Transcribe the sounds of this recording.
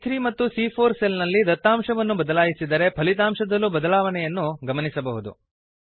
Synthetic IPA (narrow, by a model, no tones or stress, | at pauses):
t̪ʰɾimɐt̪ːusiːpʰoːɾselnɐlːid̪ɐt̪ːaːmʂɐʋɐnːubɐd̪ɐlaːjisid̪ɐɾe̞pʰɐlit̪̬aːmʂɐd̪ɐlːubɐd̪ɐlaːʋɐnɛjɐnːuɡɐmɐnisɐbɐɦud̪ṵ